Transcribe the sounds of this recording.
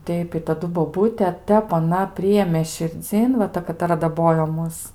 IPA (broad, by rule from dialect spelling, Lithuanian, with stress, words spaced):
ˈtʲɛɪp ɪ tɐˈdʊ boːˈbuːtʲɛ ˈtʲɛp ɐˈnɐ ˈpʲrʲɪjeːmʲeː ʃʲɪrʲˈd͡zʲiːn ʋɐ ˈtɐ kɐtɐˈrɐ dɐˈboːjoː ˈmʊs